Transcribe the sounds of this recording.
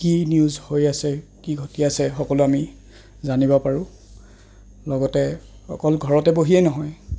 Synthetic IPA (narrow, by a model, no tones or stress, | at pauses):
kiniuzhojasɛkiɡʱotiasɛxɔkɔluami | zanibɔpaɹʊ̃ | lɔɡɔtɛ | ɔ̰kɔlɡʱɔɹɔtɛboɦiɛnɔɦɔj